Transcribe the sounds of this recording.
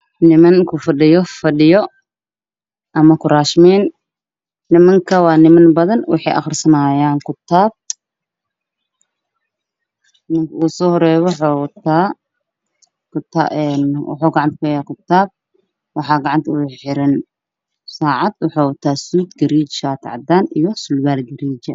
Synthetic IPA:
nɪmɐŋkʰʊfɐɗɪjɔfɐɗɪjɔ | ʔɐmɐkʰʊɾaːʃmiːnː | ɪmɐŋkʰɐwɑːnɪmɐnbɐðɐnwɑ̰ħɑ̰jʔɐ̰χrsɐnaːjaːŋkʰʊt̪ʰːaːb̚ | mɐŋkʰɐuːsɔːhɔɾɛːwɔħɔwt̪ʰaː | kʊt̪a̰ɛnwɑ̰ħuːɡɑʕɑnt̪kʰʊjaːkʰʊt̪ːaːb̚ | wɑħɑːɡɑʕɑnt̪ʰɐuħɪɾɐn | saːʕɑd̪wʊħuːwɐt̪ʰaːsuːd̪ɡɐɾiːt͡ʃʃaːt̪ʰʕɑd̪aːnijɔsʊlɡaːlɡɐɾiːt͡ʃɐ

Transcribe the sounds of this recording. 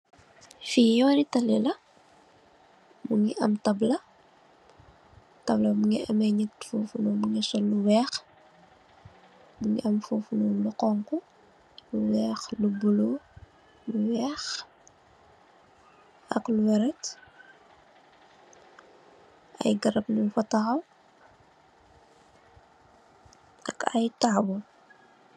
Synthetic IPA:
fijɔnitɐlɛlɐ | muŋiʔɐmtɐblɐ | tɐblɐmuŋɛʔɐmɐjɲək̚fuːfunomuŋɛsɔlːuwɛːx | muŋiʔɐmfuːfunɔːluqɔŋku | luwɛːxlubulo | luwɛːx | ɐkluwɛɾɛt | ʔɐ̰jɡɐɾɐpnufɐtahɐw | ɐkɐ̰jtaːbɔ

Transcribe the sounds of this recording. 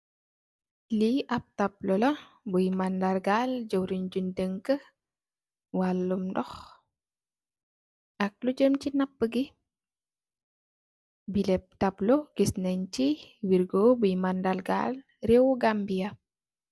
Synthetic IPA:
liʔap̚tap̚lɔlɐ | bujmandalɡald͡ʒowɾiɲd͡ʒundəŋkə | walːumdɔx | ʔak̚lud͡ʒəmt͡ʃinapːəɡi | bilɛp̚taploɡ̥isnəɲt͡ʃiwiɾɡobujmandalɡa̰l | rɛwɡambia

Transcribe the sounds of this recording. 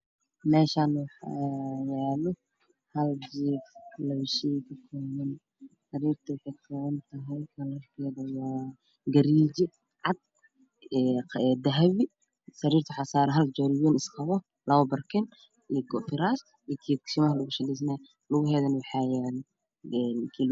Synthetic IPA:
mɛːʃaːnwɑħajɛːlɔ | hɐld͡ʒiːflɐwʃikʰɐkʰɔːβɐn | sɐɾiːrt̪ʰɐkʰɐkʰɔwɐnt̪ʰɐɦɐjkʰɐlɐkʰɛːðɐwaː | ɡɐɾiːd͡ʒɪ | ʕɑd̪̚ | ɛd̪ɐɦɐβi | sɐɾiːrt̪ʰʊħɑsaːɾɦɐld͡ʒɔɾɪjɛnɪsqɑβɔ | lɐβɐbɐrkʰɛn | iɡɔfɪɾaːs | ikʰiksɪmɐɦlʊɣʊʃɐlɛs̬nɛ | lʊɣʊɦɛːðɐnwɑħɑjɛːl | ɛnkʰi

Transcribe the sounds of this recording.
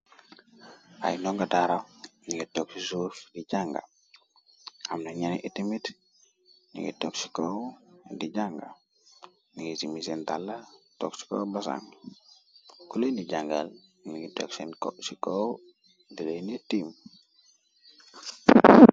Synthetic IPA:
a̰jnɔŋɡadaɾaniɡitoksisufdid͡ʒaŋɡa̰ | amnaɲaniʔitimit | nḭŋɡḭtoksi̥kowdid͡ʒaŋɡa | niɡisimisentalːato̰ksi̥ko̰basa̰ŋ | kulondid͡ʒaŋɡalniɡitoksenkosiko | dilenitim

